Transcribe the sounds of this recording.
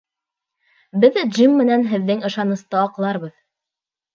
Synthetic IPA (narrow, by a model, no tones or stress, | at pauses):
bɘðd͡ʒimːɘ̆nænɦɘ̆ðːɘŋɤ̆ʃɑnɤ̆st̪ɑːqlˠɑɾβɤð